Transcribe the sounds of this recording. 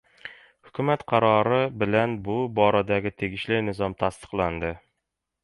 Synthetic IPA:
hʊ̥kʲʰʉmæt̪qʰɑɾɒɾɪbɪlænbʊbɒɾad̪æɡʲɪt̪ʰeɡʲɪʃlɪnɪzɒmt̪ʰast̪ɨ̥qlˠand̪ɪ

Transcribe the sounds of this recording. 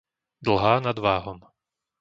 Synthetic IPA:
d̪l̩ɦaːnad̪ʋaːɦɔm

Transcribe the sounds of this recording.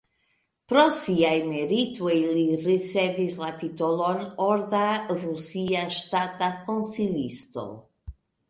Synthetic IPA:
pɾɔsiajmeɾit̪ueliresɛvizlat̪it̪olonoɾdarusiaʃt̪at̪akõnsilḭst̪o̰

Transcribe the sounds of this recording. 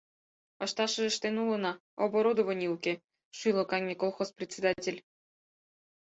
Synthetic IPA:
ɑʃt̪ɑʃɤ̆ʒĕʃt̪enulˠɤ̆nɑ | oboɾod̪ovə̆nʲiukʲe | ʃyjlˠokɑŋʲmʲekolˠxosprʲet͡sʲed̪ɑtʲelʲ

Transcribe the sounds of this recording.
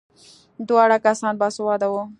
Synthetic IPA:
d̪waːɽakasɑːnbaswad̪awo

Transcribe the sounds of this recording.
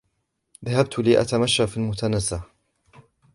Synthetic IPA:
ðahab̚t̪liːʔa̰t̪amaʃːafilmʊt̪anazːa

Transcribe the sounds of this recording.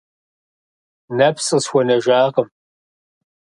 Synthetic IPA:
nɐpʰsʼɨsxʷɔnɐʒaːʁəm

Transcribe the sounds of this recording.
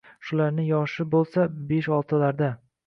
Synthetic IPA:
ʃʊlaɾnɪjɒʃɪbolˠsabeʃɒlˠt̪ʰalaɾd̪a

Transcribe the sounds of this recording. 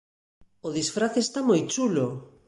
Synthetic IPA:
oðisfɾaθest̪amojt͡ʃulo

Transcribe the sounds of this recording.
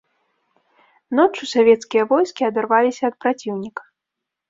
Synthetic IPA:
nɔt͡ʂusavʲɛt̪skʲijɐvɔjskʲiɐd̪arvalʲisʲɐːt̪̚pɾat͡sʲiwnʲikɐ̥

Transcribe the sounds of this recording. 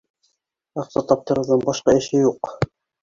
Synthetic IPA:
ɑqsɑt̪ɑp̚t̪ɤ̆ɾɤ̆wðɤɴbɑʃqɑɘ̆ʃɘjuq

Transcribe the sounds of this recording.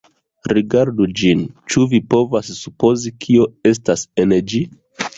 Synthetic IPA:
ɾiɡaɾdud͡ʒint͡ʃuvipo̞vasːupo̞zikʰio̞e̞stasened͡ʒi

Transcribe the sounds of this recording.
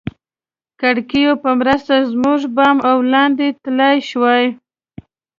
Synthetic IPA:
kaɽkijopəmɾəst̪azmuʐbɑmawlɑnd̪et̪lajʃwɑj

